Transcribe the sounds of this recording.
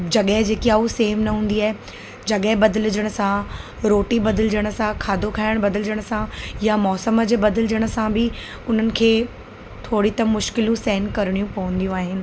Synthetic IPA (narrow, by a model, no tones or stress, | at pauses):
d͡ʑɐɠəɦɪd͡ʑeːkiauseːʋnɐɦũːn̆d̪iaːɦe | d͡ʑɐɠəɦɪbɐd̪əld͡ʑəɽ̃ə̆sã | ɾoːʈibɐd̪əld͡ʑəɽ̃ə̆sãkʰaːd̪ʱokʰaːɪɽ̃bɐd̪ɪld͡ʑəɽ̃əsãjamɔːsəmə̆d͡ʑeːbɐd̪ɪld͡ʑəɽ̃ə̆sãbɪ | ʊn̤ənɪ̆kʰeː | t̪ʰoːɽit̪ɐmʊʃkɪlũsɛɦɪnkɐɾɪɽ̃ijũpɐʋə̃nd̪ijũaːɦɪnɪ̆